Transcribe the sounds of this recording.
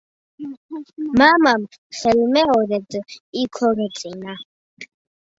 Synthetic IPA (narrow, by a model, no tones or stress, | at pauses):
mamam | χɛlmɛɔɾɛd̪ikʰɔɾɛt͡s̪ʼina